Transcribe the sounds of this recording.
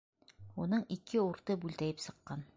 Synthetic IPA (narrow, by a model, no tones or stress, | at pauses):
unɤɴikʰɘuɾt̪ɤbʉlt̪æjɘpsɤ̆qːɑn